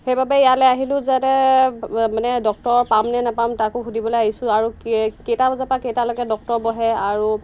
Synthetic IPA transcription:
xejbabɛjalɛaɦilʊ̃zɛtɛ | manɛdɔk̚tɔɹpamnɛnapamtakʊɦudibɔlojaɦisʊ̃aɹukketabazapakejtalɔkɡɛdɔk̚tɔɹbɔɦɛaɹu

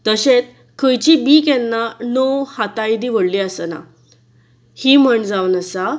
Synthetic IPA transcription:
t̪əɕet͡s | kʰəjt͡ɕibikɛnːanowhat̪ajd̪iːʋəɽliːəsəna̰ | hiːm̤əɳd͡zaʋnəsa

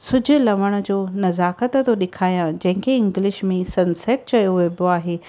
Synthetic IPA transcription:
sʊd͡ʑʱʊ̆lɐʋəɽ̃ʊ̆d͡ʑoːnɐzaːkət̪t̪oɗɪkʰaːjãd͡ʑɐ̃ɦɪ̃ŋkʰeɪ̃ŋɡlɪʃmẽsɐnseːʈ̚t͡ɕɐjoʋboaːɦeː

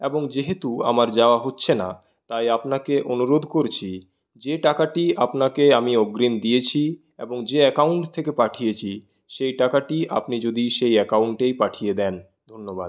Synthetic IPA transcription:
eboŋd͡ʑeɦet̪ua̰maɾd͡ʑaoaɦotːɕʰena̰ | t̪ajapnakeʔonuɾod̪ʱkoɾt͡ɕʰi | d͡ʑeʈakaʈiapnakeamiɔɡɾimd̪ijet͡ɕʰi | ḛboŋd͡ʑeɛkauɳʈt̪ʰekepaʈʰijet͡ɕʰi | ʃejʈakaʈia̰pnid͡ʑod̪iʃejɛkawɳʈejpaʈʰijed̪ɛn | d̪ʱonːoba̰d̪̥̚

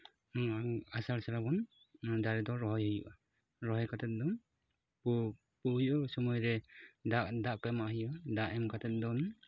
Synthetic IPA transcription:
asaɾsaɾabɔn | d̪aɾɛd̪ɔɾɔɦɔjhɯjṵʔɔ | ɾɔɦɔjkʰat̪ʰɛt̪̚dɔn | p | puhjɔsɔmɔjɾɛdaʔdaʔkamaʔhɯjɔd̪aʔɛmkʰat̪ʰɛt̪̚d̪ɔn

